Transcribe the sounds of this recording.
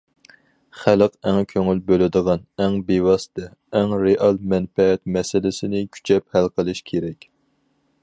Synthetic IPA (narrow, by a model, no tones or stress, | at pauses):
χæləqæŋkʲʰøŋylbølɪd̪əʁɑnɛŋbewɑst̪ɛ | ɛŋɾeʔɑlˠmɛnfɛɛt̪mɛsɪlɪsɪnɪkʲʰy̥t͡ʃʰɛphælqʰəlˠɨʃkʲʰeɾɛkʲ